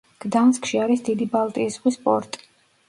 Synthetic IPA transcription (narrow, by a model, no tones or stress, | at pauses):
ɡ̥d̪anskʼʃiaɾisd̪id̪ibalˠt̪ʼiːsʁwispʼɔɾt̪ʼi̥